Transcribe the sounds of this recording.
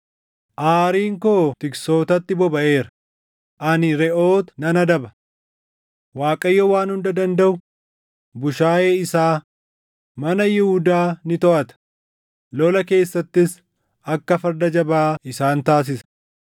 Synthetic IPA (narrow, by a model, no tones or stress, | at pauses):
ʔaːɾiːŋkoːt̪ɪkso̞ːt̪ɐt̪ːɪbɔbɐʔeːɾɐ̥ | ʔɐnɪɾɛʔo̞ːt̪nɐnɐd̪ɐbɐ | waːkʼɐjːɔwaːnhʊnd̪ɐd̪ɐnd̪ɐʔʊ | bʊʃaːjeːɪsaː | mɐnɐjɪhʊd̪aːnɪt̪ɔʔɐt̪ɐ̥ | lɔlɐke̞ːsːɐt̪ːɪs | ɐkːɐfɐɾd̪ɐd͡ʒɐbaːɪsaːnt̪aːs̬ɪsɐ̥